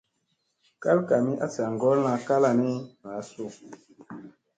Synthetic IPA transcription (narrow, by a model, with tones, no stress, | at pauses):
ka˦lka˨mĩ˦ʔa˦ta˨ŋ˨ɡɔ˦lnã˨ka˦la˨ne˦na˨a˨˦so˦˨